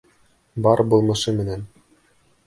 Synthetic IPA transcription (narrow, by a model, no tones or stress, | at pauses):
bɑɾbulˠmɤ̆ʃɤmɘ̆næn